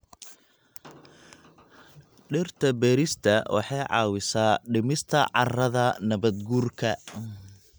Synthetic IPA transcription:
ɖɪrt̪ʰɐbɛːɾɪst̪ʰɐwʔɑ̰ħɑjʕɑ̰ːwɪsaːɖɪmɪst̪ʰɐʕɑrɐðɐnɐβɐd̪ɡuːrkʰɐ

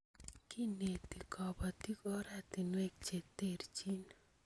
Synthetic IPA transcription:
kinet̪ikɔbat̪ikɔɾat̪inwek̚t͡ʃet̪eɾt͡ʃin

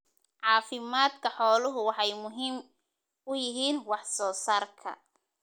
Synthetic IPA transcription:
ʕɑːfɪmaːd̪kʰɐħɔːlʊɦʊwɑħɑjmʊɦiːm | ʊjɪɦiːnwɑħsɔːsaːrkʰɐ̰

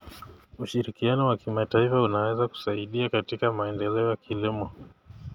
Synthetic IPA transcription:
uʃiɾikianɔwakimataifaunawɛzaku̥saiɗiakatikamaɛndɛlɛɔjakʰilimɔ

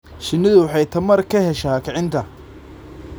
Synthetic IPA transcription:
ʃɪnːɪðʊwɑħɑjt̪ʰɐmɐrkʰɐɦɛʃaːkʰɛʕɪnt̪ʰɐ

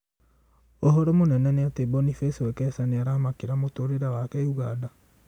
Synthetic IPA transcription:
oɦɔɾɔmonɛnɛneatebɔnifeswɛkɛsaneaɾaamakeɾamotoːɾeɾawakɛiuɣada

